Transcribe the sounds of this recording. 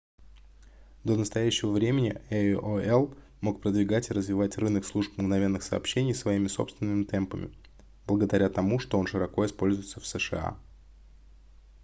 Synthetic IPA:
d̪o̞nəst̪ɐjæɕːɪvəvɾʲemʲɪnʲɪ̰ɛoɛlˠ | mo̞k̚pɾəd̪vʲɪɡatʲɪɾəzvʲɪvatʲrɨnəkslˠuʂp̚mɡnɐvʲe̞nːɨxsɐ̰ːpɕːenʲɪjsvɐimʲɪso̞̰pst̪vʲɪnːɨmʲɪt̪ɛmpəmʲɪ̰ | b̥lˠəɡəd̪ɐɾʲat̪ɐmuʂt̪o̞o̞nʂɨɾɐko̞ɪspo̞lʲzʊjɪt̪səfsəʂɨ̰a̰

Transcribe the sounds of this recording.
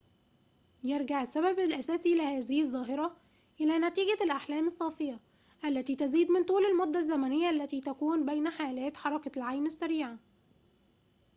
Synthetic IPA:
jeɾˤɡaʕɪsːæβæblʔæsæːsilɪhæːzɪhɪðˤːɑːɦɪɾˤɑ | ʔɪlæːnæt̪iːɡælʔaħlæːmɪsˤːɑːfejæ | ʔælːæt̪iːt̪æziːd̪mɪnt̪ˤuːlɪlmod̪ːæzːæmænɪjːæʔlːæt̪iːt̪ækuːnbejnæħaːlæːt̪ħɑɾˤɑklʕajmɪsːæɾiːʕa

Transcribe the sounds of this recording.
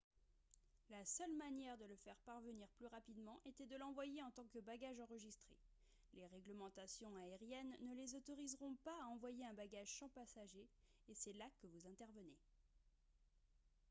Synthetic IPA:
lasœlmanjɛʁd̪ələfɛʁpaʁvəniʁplyʁapid̪mɑ̃ʔet̪ɛd̪əlɑ̃vwajeɑ̃t̪ɑ̃kəbaɡaʒɑ̃ʁəʒist̪χe | leʁɛɡləmɑ̃t̪asjɔ̃aeʁjɛnːəlezot̪ɔʁizʁɔ̃paːɑ̃vwajeɛ̃baɡaʒsɑ̃pasaʒeːsɛlakəvuzɛ̃t̪ɛʁvəne

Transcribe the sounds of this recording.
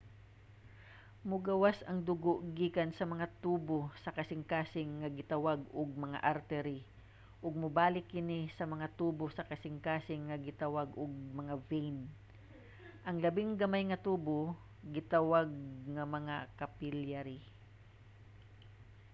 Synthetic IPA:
mʊɡɐwasɐŋd̪ʊɡoʔɡiːkansɐmɐŋat̪uːbosɐkɐsɪŋkaːsɪŋːɐɡɪt̪ɐwaɡʊɡ̚mɐŋa̰ʔaɾt̪ɛɾɪ | ʔʊɡ̚mʊbaːlɪkːɪnɪsɐmɐŋat̪uːbosɐkɐsɪŋkaːsɪŋːɐɡɪt̪awaɡʔʊɡ̚mɐŋavɛjn | ʔɐŋlɐbɪŋɡɐmajŋɐt̪uːbo | ɡɪt̪awaɡ̚ŋɐmɐŋakɐpɪljaɾɪ

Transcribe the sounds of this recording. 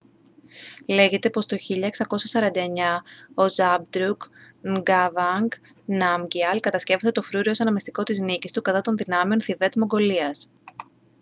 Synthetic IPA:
le̞ʝe̞t̪e̞po̞st̪o̞çiʎɐeksɐko̞sɐsɐɾɐnd̪ɐeɲɐo̞zɐb̚d̪ɾuk | ŋɡɐvɐŋɡ | nɐmɟiɐlkɐt̪ɐsce̞voset̪ofɾuɾio̞sɐnɐmist̪iko̞t̪iznicist̪ukɐt̪ɐt̪o̞nðinɐme̞o̞nθive̞t̪mo̞ŋɡo̞liɐs

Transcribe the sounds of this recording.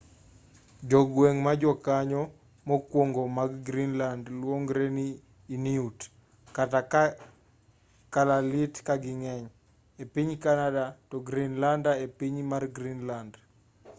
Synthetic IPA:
d͡ʒɔɡwɛŋmad͡ʒɔkaɲɔ | mɔkwoŋɡomaɡɡɾinlandlwoŋɡɾeniː | niut | kata | kalalitkaɡɪŋɛɲ | epiɲkanadatɔɡɾinlandaepiɲmarɡɾinland

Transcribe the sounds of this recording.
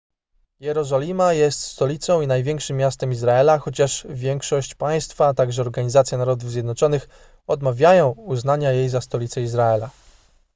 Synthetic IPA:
jɛɾɔzɔlʲimajɛst̪st̪ɔlʲit̪sɔ̃w̃inajvʲjɛŋkʂɘmʲːjast̪ɛmizɾaɛlaxɔt͡ɕaʂvʲjɛŋkʂɔɕt͡ɕpaj̃st̪faːt̪aɡʐɛɔɾɡaɲizat̪sjɛnaɾɔd̪uvzʲjɛd̪nɔt͡ʂɔnɘx | ɔd̪mavʲjajɔ̃w̃uznaɲajejzast̪ɔlʲit̪sɛizɾaɛla

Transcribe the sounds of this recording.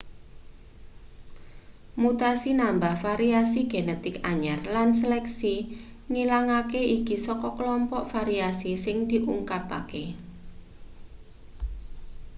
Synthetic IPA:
mut̪asinambahfaɾiasiɡ̥enɛt̪ɪkaɲarlans̬əlɛksi | ŋilaŋakeikisɔkɔklɔmpɔʔfaɾiasisɪŋd̪̥i̤ʔṵŋkapa̰ke

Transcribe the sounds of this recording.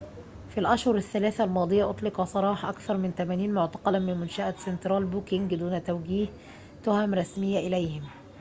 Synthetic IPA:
filʔæʃhʊɾaθːælæːθælmɑːd̪ˤɨjæʔʊt̪ˤlɪqɑsˤɑɾˤɑːħɑʔækθɑɾˤmɪnt̪æmæːniːnmʊʕt̪ɑ̥qɑlæmɪnmʊnʃæʔæsent̪ɾˤɑːlbuːkɪŋɡd̪uːnæt̪æwɡiːh | t̪ʊhæmɾˤɑsmɪjːæʔɪlæjhɪm

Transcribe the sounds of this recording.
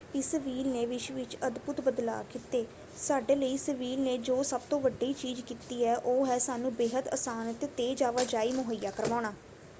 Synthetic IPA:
ɪsʋiːlneːʋɪʃʋɪt͡ʃəd̪bʊt̪bəd̪la̰ːkɪt̪eː | saːɖeːləiːsəʋiːlneːd͡ʒoːsəb̚t̪õːʋəɖiːt͡ʃiːd͡ʒkiːt̪iːɛːʔoːɦɛːsaːnũːbeːɦət̪ə̰saːnt̪ːt̪eːd͡ʒaːʋaːd͡ʒaːiːmʊɦəjaːkəɾʋaːɽ̃aː

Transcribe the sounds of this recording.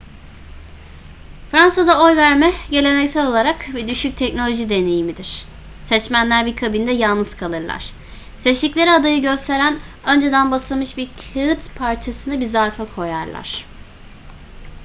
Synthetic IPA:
fɾansad̪ao̞jvæɾmɛɟe̞lʲe̞nɛcsælʲo̞lˠaɾakbid̪yʃyc̚t̪ʰɛcno̞lʲo̞ʒid̪e̞ne̞jimid̪iɾ̝̥ | sɛt͡ʃmænlʲæɾbikʰabind̪ɛjalˠnɯz̥kʰalˠɯɾlˠa̰ɾ̥ | sɛt͡ʃlʲicʲlʲe̞ɾiad̪ajɯɟø̞st̪ʰe̞ɾæn | ø̞nd͡ʒe̞d̪ænbasɯlˠmɯʃbiɾkʰɯt̪pʰaɾt͡ʃʰasɯnɯbizaɾfakʰo̞ja̰ɾlˠa̰ɾ̥

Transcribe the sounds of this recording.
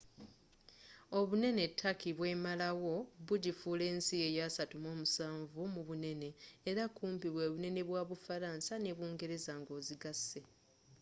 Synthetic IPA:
o̞βune̞ne̞tʰːakiβwe̞ːmalawo̞βuɟifuːle̞ːnsie̞jasatumo̞ːmusaːɱvumuβune̞ne̞ːɾakuːmpiβwe̞ːβune̞ne̞βwaːβufaɾaːnsane̞βuːŋɡe̞ɾe̞zaŋɡo̞ːziɡase̞

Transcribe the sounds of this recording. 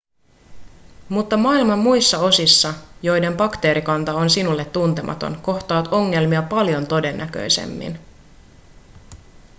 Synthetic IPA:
mut̪ːɑmɑilmɑmːujsːɑo̞sisːɑjo̞jde̞mbɑkt̪e̞ːɾikɑnt̪ɑo̞nsinulːe̞t̪ːunt̪emɑ̰t̪o̞̰nko̞ht̪ɑːt̪o̞ŋːe̞lmiɑpɑljo̞nt̪o̞de̞nːæk̟ø̰jse̞̰mːḭn

